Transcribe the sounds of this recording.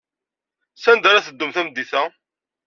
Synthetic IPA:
sænd̪aɾaθəd̪ːʊmθæmd̪ːiθæ

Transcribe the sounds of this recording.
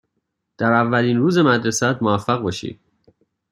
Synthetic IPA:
d̪̥æɾævːæliːnɾuːze̞mæd̪ɾesæt̪̚movæfːæɣbɒːʃḭd̪̥̚

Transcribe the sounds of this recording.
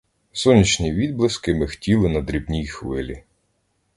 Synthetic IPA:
sɔnʲːit͡ʃnʲiʋʲid̪̚blˠɪskɪmɪxtʲilˠɪnɐd̪ɾʲibnʲijxʋɪlʲi

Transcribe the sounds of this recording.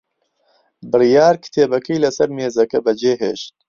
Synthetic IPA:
bɨrijaːɾkʰɨ̥t̪ʰeːbɐkijlɐsɐɾmeːzɐkɐbɐd͡ʒeːɦḛːʃt̪̚

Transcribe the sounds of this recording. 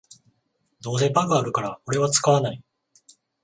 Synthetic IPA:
d̪o̞ːs̬e̞baɡɯ̟aɾɯ̟kaɾao̞ɾe̞βat͡sɨ̥kaβanai

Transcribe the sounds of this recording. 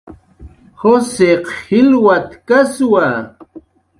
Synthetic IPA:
xoseqhilwat̪kaswa

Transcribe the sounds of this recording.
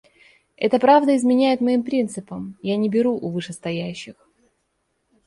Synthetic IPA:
ɛ̰t̪əpɾavd̪əɪzmʲɪnʲæjɪt̪mɐimpɾʲint̪sɨpəmjanʲɪbʲɪɾuʔʊvɨʂɨst̪ɐjæʉɕːɪx

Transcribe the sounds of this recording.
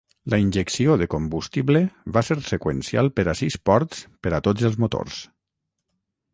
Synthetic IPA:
ləinʲʒeksioðəkombust̪iβləβaseɾsekwḛnsia̰lˠpəɾasispɔɾt̪spəɾat̪od͡zəlˠzmot̪o̰ɾs

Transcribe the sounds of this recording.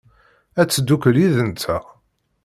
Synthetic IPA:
æt͡sːəd̪ːukəliðənt͡s̪æ

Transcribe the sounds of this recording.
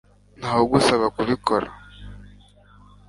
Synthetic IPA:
n̥haːhoɡusaβakuβikʰoɾa̰

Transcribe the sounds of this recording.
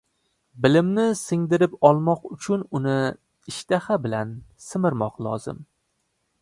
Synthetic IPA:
bɪlɪmnɪsɪŋd̪ɪɾɪpɒlˠmɒqʊt͡ʃʰʊnʊnɪ | ɪʃt̪ahabɪlansɪmɪɾmɒqlˠɒ̰zɪ̰m

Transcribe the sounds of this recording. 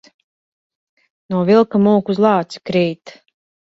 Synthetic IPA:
nuɔvilˠkamuːkuzlˠɑːt̪skɾiːt̪

